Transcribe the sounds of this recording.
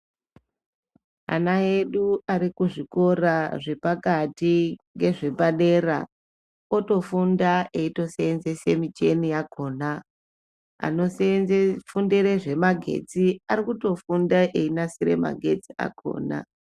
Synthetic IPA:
a̰naeɗuaɾikuʐiko̞raʐe̞pakatiŋɡe̞ʐe̞baɗe̞ra̰ | o̞to̞fundaʔe̞ito̞seenze̞semit͡ʃe̞nijakʰo̞ːna | a̰nosfundeɾeʐe̞maɡʱe̞̰t͡siaɾikuto̞fundaʔeinasiɾe̞̰ma̰ɡʱe̞t͡sia̰kʰo̞̰ːna̰

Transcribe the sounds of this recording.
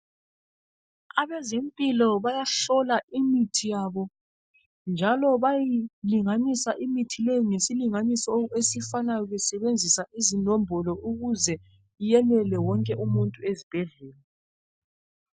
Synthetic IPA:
aβɛzempʼilɔβajaɬɔlaimitʰijaːβɔ | nd͡ʒʱalɔβajiliŋanisaʔimitʰilejŋesiliŋanisɔesifanajɔɣɛsɛβend͡zʱisaʔizinɔmbʱɔlɔʔuɣuzɛ | ijɛnɛlɛwɔŋkʼɛʔumuntʼuezib̥ʱɛɮɛːlɛ

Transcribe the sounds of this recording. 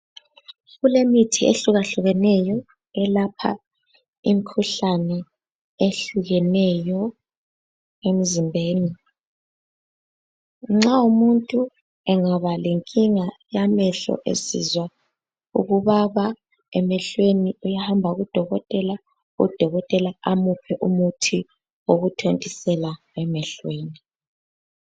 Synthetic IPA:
ɣulemitʰieɬuɣaɬuɣɛnɛjɔ | ɛlapʰa̰ | imikʰuɬanɛ | eɬuɣɛnɛjɔ | em̩zimbʱeːni | ŋ͡ǁaumuntʼu | ɛŋaβaleŋkʼiŋajamɛɬɔ̰ʔḛsḭzwa | ṵɣuβaβa | ɛmɛɬweniujahambʱauɣud̥ʱɔɣɔtʼɛla | ṵd̥ʱɔɣɔtʼɛlaamupʰɛʔumutʰi | woɣutʰontʼisɛla | ɛmɛɬweːni

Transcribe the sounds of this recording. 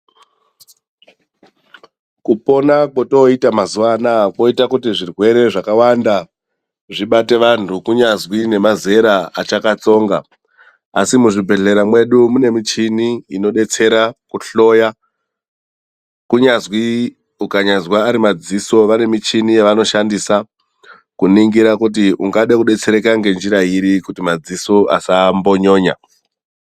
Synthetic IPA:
kupo̞nakwoto̞itamazuʋanakwo̞itakutiʐirwe̞ɾe̞ʐakawanda | ʐiɓate̞ʋantʰukuɲazwine̞maze̞ɾaat͡ʃakat͡so̞ŋɡa | a̰simuʐibʱe̞ɮe̞ɾamwe̞ɗumune̞mit͡ʃiniino̞ɗe̞t͡se̞ɾakuɬo̞ja | kuɲazwi | ukaɲazwaːɾimad͡ziso̞ʋane̞mit͡ʃinijeʋano̞ʃandisa | kuniŋɡiɾakut̬iuŋɡaɗakuɗe̞t͡se̞ɾe̞kaŋɡe̞nd͡ʒiɾaiɾikutimad͡zisoʔa̰sambo̞ɲo̞ːɲa̰

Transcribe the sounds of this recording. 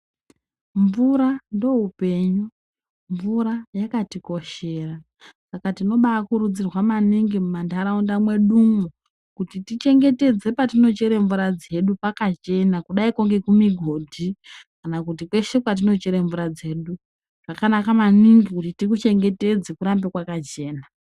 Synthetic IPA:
ɱvuɾando̞ɦupe̞ːɲu | ɱvuɾajakatiko̞ʃe̞ːra | sakatino̞ɓaakuɾud͡zirwamaniŋɡimumandaɾaundamwe̞ɗumu | kutitit͡ʃe̞ŋɡe̞te̞d͡ze̞patino̞t͡ʃe̞ɾeɱvuɾad͡ze̞ɗupakat͡ʃe̞nakuɗaikoŋɡe̞kumiɡʱo̞dʱikanakut̬ikwe̞ʃekwat̬ino̞t͡ʃe̞ɾeɱvuɾad͡ze̞ːɗu | kakanakamaniŋɡikutitikut͡ʃe̞ŋɡe̞te̞d͡zekuɾambekwakat͡ʃe̞ːna

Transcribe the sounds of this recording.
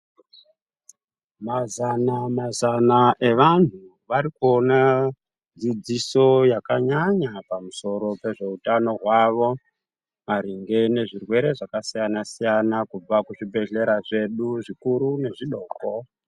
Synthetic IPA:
mazanamazanaʔe̞ʋan̤u | ʋaɾikuona | d͡zid͡ziso̞jakaɲaɲapamuso̞ɾo̞pe̞ʐe̞utano̞ɦwaʋo̞ | aɾiŋɡe̞ne̞ʐirwe̞ɾe̞ʐakasijanasijanakub͡vakuʐibʱe̞ɮe̞ɾaʐe̞ɗuʐikuɾune̞ʐiɗoːko

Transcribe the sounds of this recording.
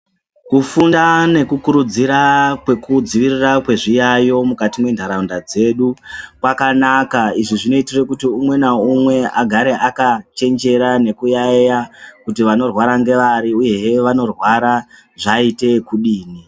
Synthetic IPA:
kufundane̞kukuɾud͡ziɾakwekud͡ziʋirirakwe̞ʐijajo̞mukatimwe̞ndʱaɾaundad͡ze̞ɗukwakanakaiʐiʐino̞itire̞kutiumwe̞naumwe̞aɡʱaɾe̞ʔakat͡ʃe̞nd͡ʒe̞ɾane̞kujaejakutiʋano̞rwaɾaŋɡe̞ʋaɾiuje̞ʋano̞rwaɾa | ʐaite̞kuɗiːni

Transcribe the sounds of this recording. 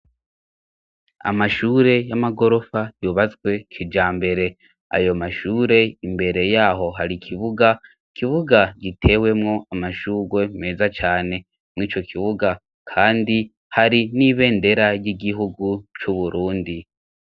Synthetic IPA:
a̰maʃuːɾe̞jamaɡo̞ɾo̞fajuːβazɡwe̞kʰid͡ʒaːmbe̞ɾe̞ | a̰jo̞maʃuːɾe̞imbe̞ɾe̞jaːɦo̞ɦaɾikʰiβuɡa | ikʰiβuɡaɡitʰe̞ːwe̞mŋo̞amaʃuːɡwe̞me̞ːzat͡ʃaːne̞ | mŋiːt͡ʃo̞kʰiβuɡa | kʰaːndi | haɾiniβe̞ːnde̞ɾaɾjiɡiɦuɡut͡ʃuβuɾuːndi

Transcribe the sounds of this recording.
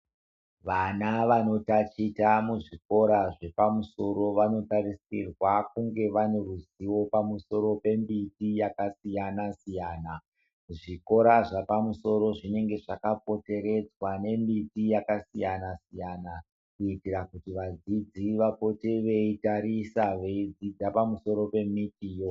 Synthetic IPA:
ʋanaʋano̞tat͡ʃitamuʐiko̞ɾaʐe̞pamuso̞ɾo̞ʋano̞tarisirwakuŋɡe̞ʋane̞ruziwo̞pamuso̞ɾo̞pe̞mbitijakasijanasijaːna | ʐiko̞ɾaʐapamuso̞ɾo̞ʐine̞ŋɡe̞ʐakapo̞te̞ɾe̞d͡zwane̞mbitijakasijanasijana | kuitirakutiʋad͡zid͡ziʋapo̞teʋe̞itaɾisaʋe̞id͡zid͡zapamuso̞ɾo̞pe̞mitiːjo

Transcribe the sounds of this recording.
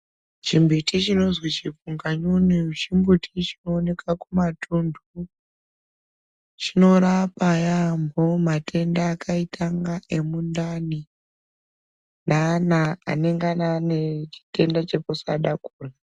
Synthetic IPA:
t͡ʃimbutit͡ʃino̞zwit͡ʃipuŋɡaɲunit͡ʃimbutʰit͡ʃino̞ːne̞kakumatʰundʱu | t͡ʃino̞ɾapajambomatʰe̞ndaːkʰaitʰaŋɡae̞mundani | nana̰ːne̞ŋɡananet͡ʃi̥te̞ndat͡ʃeposaɗakuːra

